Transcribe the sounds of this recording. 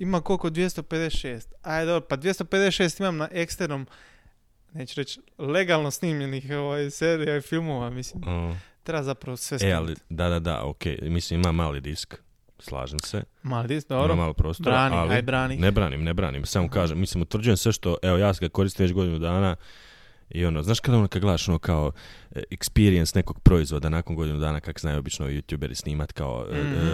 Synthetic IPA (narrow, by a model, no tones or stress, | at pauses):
imakolkod̪ʋjest̪o̞ped̪esʃeːst̪ajd̪obɾopad̪ʋje̞st̪oped̪esʃeːst̪imamnaʔekst̪eɾnom | neːt͡ʃuɾet͡ʃle̞ɡalˠnosniːmʎenixoʋajseːɾijaifilˠmoʋamislimt̪ɾebazapɾaʋosʋesealḭd̪ad̪ad̪a̰o̰kḛjmislimimamaːlid̪isk | slˠa̰ːʒemsḛ | maːlid̪isk̚d̪oamaːlipɾo̞ːst̪oɾanalibɾaːninebɾaːnimnebɾa̰ːnḭmsaːmokaːʒemːislimut̪ʋɾr̩d͡ʑujemsʋe̞ʃt̪o̞ʔeo̞jaːsɡako̞ɾist̪iːmʋet͡ɕɡo̞d̪inud̪aːna | io̞noːznaːʃkad̪aonokad̪ɡled̪aʃo̞noːkaoekspiɾijensne̞ko̞ɡ̥̚pɾo̞izʋo̞d̪anakoŋɡo̞d̪inud̪aːnakakozaːjuo̞bit͡ʃnojuːt̪juːbe̞ɾḭsniːmat̪kao̰